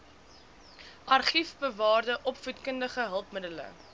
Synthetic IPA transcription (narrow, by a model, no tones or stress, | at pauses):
ʔɐrχifbəvɑːrdəʔɔpfutkəndəχəɦəlˠpmədələ̰